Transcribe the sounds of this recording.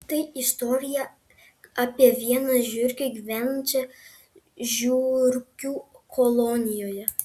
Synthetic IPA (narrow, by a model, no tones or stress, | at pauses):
t̪ɐɪɪst̪ɔɾʲɪjɛ | ɑːpʲiɛʋʲiɛnɐʒʲʊɾʲkʲɛɡʲʋʲɛnt͡ʃʲɛ | ʒʲuːɾʲkʲuːkʰɔlˠɔnʲɪjoːjɛ